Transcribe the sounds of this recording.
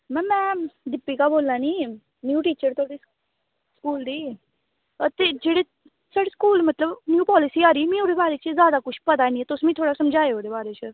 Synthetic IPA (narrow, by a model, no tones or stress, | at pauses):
mɛ̃ːmɛ̃ːd̪ɪpːiːkaːboːlaːniː | njuːʈiːt͡ʃəɾt̪ʰoːɽiː | skuːld̪iː | ət̪eːd͡ʒeːɽeː | saːɽeːskuːlmət̪ləbnjuːpɔːlɪsiːaːɾiːmĩːoːɽeːbaːɾeːt͡ʃzjaːd̪aːkʊt͡ʃʰpət̪aːnĩːɛt̪ʊsmĩːt̪ʰoːɽaːsəmd͡ʒaːeoːdeːbaːɾeːt͡ʃə